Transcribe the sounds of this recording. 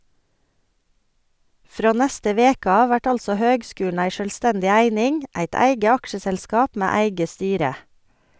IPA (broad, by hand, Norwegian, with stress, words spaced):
ˈfɾoː ˈnɛstə ˈʋeːk ˈɑː ˈʋæʈ ˈɑlsɔ ˈhøːɡˌskʉːn̩ ˈæɪ ˈʃøːlˌstɛndɪ ˈæɪnɪŋ ˈæɪt ˈæɪɡə ˈɑkʃəsɛlˌskɑːp ˈmæː ˈæɪɡə ˈstyːɾə